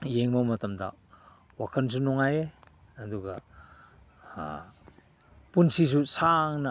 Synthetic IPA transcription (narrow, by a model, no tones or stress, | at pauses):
jeŋmowmɐtɐmdɐ̰ | wakʰɐns̬unɔŋaje | ɐduɡɐ̰ | punsis̬usaŋnɐ